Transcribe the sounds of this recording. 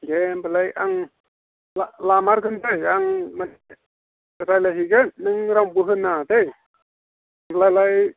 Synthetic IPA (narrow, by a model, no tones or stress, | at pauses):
ɡembɯlajaŋ | lalamaɾkɯndɯjaŋmad | ɾajlaɦiɡɯnɯŋɾawbɯɦɯnːadej | mbəlajlaj